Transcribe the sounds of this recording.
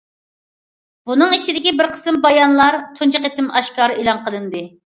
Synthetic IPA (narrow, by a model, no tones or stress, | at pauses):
bunɨŋit͡ʃʰid̪ɪkʲibɪɾqʰə̥sɨmbɑjɑnlˠɑɾt̪ʰunt͡ʃɨqet̪ɪmɑʃkɑːɾɨʔelˠɑŋqʰəlˠɨnd̪ɨ